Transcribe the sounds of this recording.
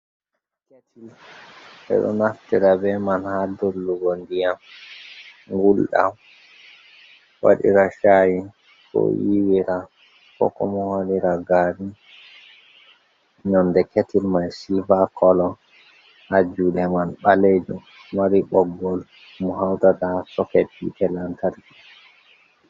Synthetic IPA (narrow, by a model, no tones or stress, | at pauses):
ketʰil | ɛ̰ɗɔ̰naftiɾabɛmanhadolːuɡɔndijam | ŋɡulɗa̰ | wa̰ɗḭɾaʃaji | kɔ̰jiwiɾa | kɔ̰kɔ̰mɔhaliɾaɡaɾi | ɲɔndɛketilmajsivakɔlɔ | had͡ʒulɛmanɓaled͡ʒumː | aɾiɓɔɡːɔl | mɔhawdatasɔkɛtḭɛlantalki